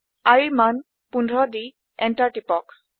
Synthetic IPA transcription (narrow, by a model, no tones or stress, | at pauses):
aɹiman | punʱɹɔdi | ɛntaɹʈipɔk